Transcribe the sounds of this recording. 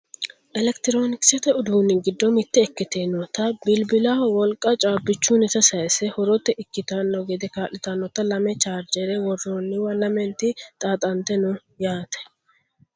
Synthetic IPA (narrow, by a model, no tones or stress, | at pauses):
ʔɛlɛkt̪ɪɾoːnɪksɛt̪ɛʊd̪uːnːɪɡɪd̪ːɔmɪt̪ːɛɛkːɪt̪eːnːɔt̪ːɐbɪlbɪlawɔlkʼːɐt͡ʃʼaːbːɪt͡ʃːuːnɛt̪ɐsɐjsɛhɔɾɔt̪ːɛʔɪkːɪt̪ɐnːɔɡɛd̪ɛkaːʔɪt̪ɐnːɔt̪ːɐlɐmɛt͡ʃaːɾd͡ʒɛɾɛwɔrːonːɪwɐlɐmɛnt̪ɪt̪ʼaːt̪ʼɐnt̪ːɛnʊ | jaːt̪ɛ̥